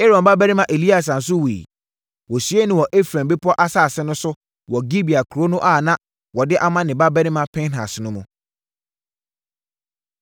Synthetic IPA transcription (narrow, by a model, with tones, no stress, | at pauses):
e˦ɾɔ̃˨mba˦bæ˦ɪ̃˦mã˦ʔe˨li˦a˨s̬ã˨n̩˨s̬ʊ˦we˨ḭ˨ | wɔ˨sɥe˦nʊ̃˨wɔ˨ʔe˦fɾã˨mbɪ˦pʰɔ˦ʔa˦saː˦˨sɛ˦nʊ̃˦sʊ˦ | wɔ˨ɡi˦bi˨a˨kʰu˨ɾo˦nʊ̃˦ʔa˦˨nã˦ | wɔ˨dɪ˦ʔa˦mã˦nɪ̃˨ba˦bɛ˦nɪ̃˦mã˦pʰɛ̃˦nɦa̰˨snʊ̃˦mũ˨